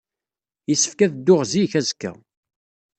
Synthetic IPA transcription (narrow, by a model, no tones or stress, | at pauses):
jəsːə̥fkæðd̪ːʊʁziçæzkːæ̰